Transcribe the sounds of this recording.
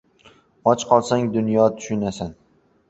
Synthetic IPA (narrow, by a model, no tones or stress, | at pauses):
ɒt͡ʃqʰɒlˠsaŋd̪ʊnjɒt̪ʰʊ̥ʃʊnasan